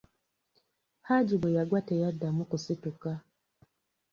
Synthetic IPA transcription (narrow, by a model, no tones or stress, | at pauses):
had͡ʒibujaɡwatɛjadamukusituka